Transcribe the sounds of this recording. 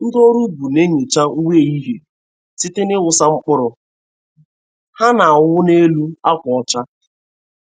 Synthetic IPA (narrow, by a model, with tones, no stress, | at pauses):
n̩˦do˦ɾu˦bu˨ne˦ɲo˨t͡ʃa˦u˦we˦˨i˦ɦe˨ | sɪ˦tɪ˦nɪ˦wʊ˨sa˦ŋ͡m̩˦k͡pʊ˦ɾʊ˨ | ha˦na˨ʊ˦wʷʊ˦ne˦lu˦a˦kʷɔ˨ɔ˦t͡ʃa˦